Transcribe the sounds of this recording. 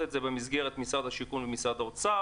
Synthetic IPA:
etzebemizɡe̞ʁet̪misad̪haʃikunvemisad̪aot͡sa

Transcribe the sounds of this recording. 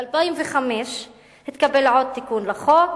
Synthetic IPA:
albaimveχameʃ | het̪kabelʕod̪̚t̪ːikunlaχo

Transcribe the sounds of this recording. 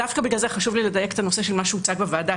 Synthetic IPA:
afkabiɡlalzeχaʃuvliled̪ajeke̥t̪anoseʃelmaʃuut͡saɡbevaːd̪a

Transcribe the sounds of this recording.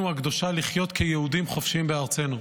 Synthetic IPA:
uaɡd̪o̞ʃaliχjo̞t̪kʰejehud̪imχo̞fʃimbeaʁt͡se̞nu

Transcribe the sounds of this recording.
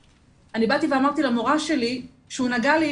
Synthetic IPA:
anibat̪iveamaʁt̪ilamoʁaʃe̞li | ʃeunaɡali

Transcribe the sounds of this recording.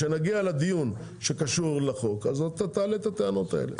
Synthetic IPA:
enaɡialad̪ijun | ʃe̞kaʃuʁleχo̞kazot̪ːat̪aːlet̪at̪eano̞t̪aḛlḛ

